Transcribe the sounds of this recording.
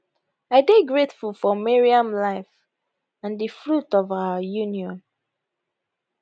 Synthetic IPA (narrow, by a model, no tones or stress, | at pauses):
aɪbeɡɹetfulˠfɔmɛɹiãmlaɪf | ãndəfɹutɔvawəjũniɔ̃n